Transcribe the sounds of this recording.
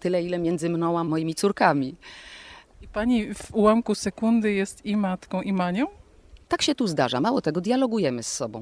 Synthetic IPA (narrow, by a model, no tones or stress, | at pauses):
t̪ɘlɛilɛmʲjɛnd̪zɘmnɔ̃w̃amɔjimʲit̪suɾkamʲi | ipaɲivuwamkusɛkund̪ɘjɛst̪imat̪kɔ̃w̃ʔimaɲɔ̃ | t̪akɕɛt̪uzd̪aʐa̰mawɔt̪ɛɡɔd̪ʲjalɔɡujɛmɘsːɔbɔ̃w̃